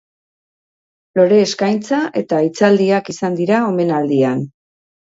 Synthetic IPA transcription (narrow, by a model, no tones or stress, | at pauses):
lo̞ɾe̞ːskajnt͡saʔe̞t̪ait͡sald̪iakisand̪iɾao̞me̞nald̪ian